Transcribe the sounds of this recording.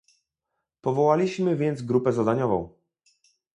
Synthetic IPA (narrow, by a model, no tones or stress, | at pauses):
pɔvɔwalʲiɕmɘvʲjɛnd̪zɡɾupɛzad̪aɲɔvɔ̰̃w̃